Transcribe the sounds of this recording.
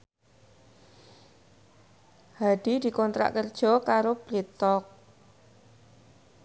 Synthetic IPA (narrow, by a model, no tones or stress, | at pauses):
had̥id̪̥i̤kɔnt̪ɾa̰ʔkərd̥ʒ̥ɔ̤kaɾob̥ɾit̪ɔk̚